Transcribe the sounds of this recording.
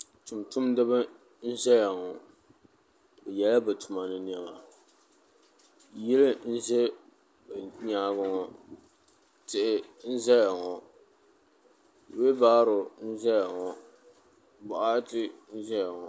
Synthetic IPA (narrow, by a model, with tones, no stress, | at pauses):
tʊ˨mtʊ˦mdɨ˦ba˦ | n̩˦zɛ˦ja˨ŋɔ˨ | bɛ˨jɛ˨la˦bɨ˨tʰʊ˨ma˨nɨ˦ni˦ɛ˦ma˨ | jɪ˦lɪ˦n̩˦ze˦ | bɲaː˦ɡʊ˦ŋɔ˨ | tɪ˨ʔɪ˨n̩˦zɛ˦ja˨ŋɔ˨ | we˦baː˦ɾʊ˨n̩˦zɛ˦ja˨ŋɔ˨ | ba˨ʔa˦tɪ˦n̩˦zɛ˦ja˨ŋɔ˨